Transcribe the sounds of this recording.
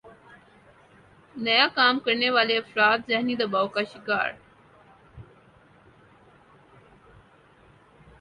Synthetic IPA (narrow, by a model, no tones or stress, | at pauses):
nɐjakaːmkəɾneʋaːleɐfɾaːt̪zɐɦnid̪abawkaʃɪka̰ːɾ